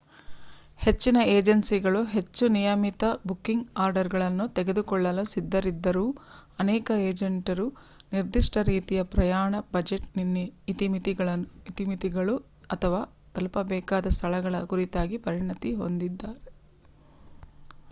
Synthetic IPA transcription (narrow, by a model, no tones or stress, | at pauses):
he̞t͡ʃːinɐeːd͡ʒɐnsiɡɐɭuɦe̞t͡ʃːunijɐmit̪ɐbukːiŋɡaːɾɖɐɾɡɐɭɐnːut̪eɡe̞d̪ukɔɭːɐlusid̪ːɐɾid̪ːɐɾuːɐnɛːkɐeːd͡ʒeɳʈɐɾu | niɾd̪iʂʈɐɾiːt̪ijɐpɾɐjaːɳɐbɐd͡ʒeʈ̚ninːiːt̪imit̪iɡɐɭɐit̪imit̪iɡɐɭu | ɐt̪ʰɐʋaː | t̪ɐlpɐbɛːkaːd̪ɐst̪ʰɐɭɐɡɐɭɐkuɾit̪aːɡipɐɾiɳɐt̪iɦo̞̰nd̪id̪ːaːɾe